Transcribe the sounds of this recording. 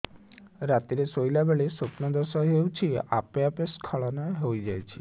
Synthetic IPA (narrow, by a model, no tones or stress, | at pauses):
ɾat̪iɾesojlabeɭesopnɔd̪ɔsɔɦewt͡ʃʰia̰pjapeskʰɔɭɔnɔeɦojd͡ʒajt͡ʃʰi